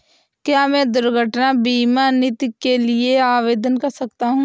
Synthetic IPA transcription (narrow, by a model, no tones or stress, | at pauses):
kjaːmɛ̃d̪ʊɾɡʱəʈnabiːmanɪt̪kelɪeaːʋeːd̪ənkɐɾsɐkt̪aɦũː